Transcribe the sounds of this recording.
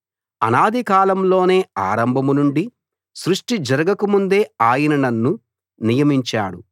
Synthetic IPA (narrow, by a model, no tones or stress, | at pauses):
ɐ̰naːd̪ʱikaːlɐmlo̞ːne̞ːa̰ːɾɐmbʱɐmunuɳɖi | sɾuʂʈid͡ʒɐɾɐɡɐkumund̪e̞ːaːjinɐnɐnːu | nijɐmiɲt͡ʃa̰ːɽu